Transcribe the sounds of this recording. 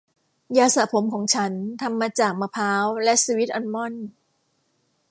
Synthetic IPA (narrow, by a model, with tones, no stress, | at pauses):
jaː˧sa˩˦pʰo˩˦mkʰɔː˩˦ŋt͡ɕʰa˦˥nt̪ʰa˧mːaː˧t͡ɕaː˨˩k̚maː˧pʰaː˦˥wlɛ˦˥ʔsiː˧wi˦˥t̪̚ʔɔ˧nmɔ˥˩n